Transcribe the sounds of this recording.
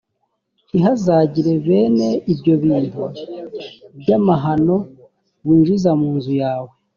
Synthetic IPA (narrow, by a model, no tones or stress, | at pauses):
iɦazaɟiɾe̞βe̞ːne̞ibɟo̞βiːndu | bɟamaɦano̞ | βiːnʒizamuːnzujaːwe